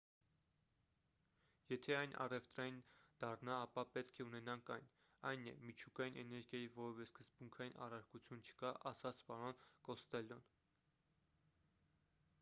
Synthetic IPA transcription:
jɛt̪ʰɛɑjnʔɑ̰rɛft̪ɾɑjind̪̥ɑrnɑːpɑpɛt̪kʰɛunɛnɑŋkʰɑjn | ɑjnɛ̰mit͡ʃʰukɑjinʔɛnɛɾɡjɑjivɔɾɔvɛskəzbuŋkʰɑjinʔɑ̰rɑɾkut͡sʰjunt͡ʃʰə̥kɑʔɑsɑt͡sʰpɑɾɔnkɔst̪ɛljɔn

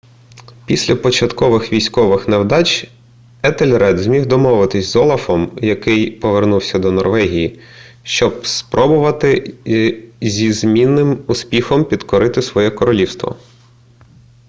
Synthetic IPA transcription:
pʲisʲlʲɐpɔt͡ʃɐt̪kɔʋɪxʋʲijsʲkɔʋɪxnɐwd̪ɑt͡ʃʲ | ɛt̪elʲɾɛd̪zʲmʲiwd̪ɔmɔʋɪt̪ɪsʲzɔlˠɐfɔmjɐkɪjpɔʋernuwsʲɐd̪ɔnɔrʋɛɦʲiji | ʃt͡ʃɔb̚spɾʔɔbʊʋɐt̪ɪ | zʲizmʲinːɪmʊspʲixɔmpʲid̪kɔɾɪt̪ɪsʋɔjɛkɔɾɔlʲiwst̪ʋɔ̰

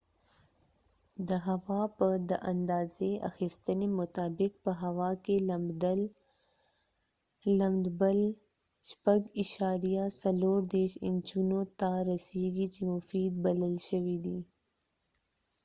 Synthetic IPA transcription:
d̪əɦawɑpəd̪əʔand̪ɑːzea̰xist̪ənemʊt̪ɑːbɪk̚pəɦawɑkelambd̪əl | amd̪bəl | ʃpaɡɪʃɑɾijasaloɾd̪eɾʃɪ̰nd͡ʒunot̪aɾaseɡit͡ʃemʊfid̪̚baləlʃəwid̪i

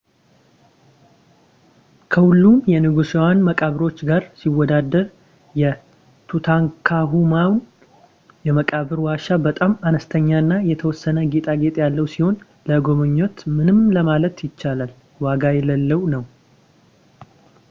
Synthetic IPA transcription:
kʰəhulːumjɛnɨɡusewanməkʼaβɨɾo̞t͡ʃːɡaɾsiwɔd̪ad̪ːəɾ | jɛ | t̪ʰut̪ʰaŋkʰaɦumawn | jɛməkʼaβɨɾwaʃabət̪ʼamanəst̪ʰəɲːaɨnːajɛt̪ʰəwɔsːənəɡe̞t̪ʼaɡe̞t̪ʼjalːəwsiho̞n | ləɡo̞mɨɲːot̪mɨnɨmləmalət̪jɪt͡ʃːalal | waɡajɛləlːəwnəw

